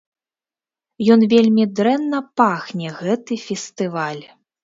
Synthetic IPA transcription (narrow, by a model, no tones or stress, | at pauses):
jɔnvʲelʲmʲid̪ɾɛnːɐpaxnʲɛɣɛt̪ɨfʲɛst̪ɨvalʲ